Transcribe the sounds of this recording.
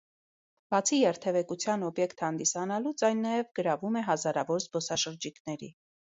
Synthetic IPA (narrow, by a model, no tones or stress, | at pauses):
b̥ɑt͡sʰijɛɾt̪ʰɛvɛkut͡sʰjɑnɔbjɛkt̪ʰhɑnd̪isɑnɑlut͡sɑjnːɑjɛvɡəɾɑvumɛɦɑzɑɾɑvɔɾzbɔsɑʃəɾd͡ʒikʰnɛɾḭ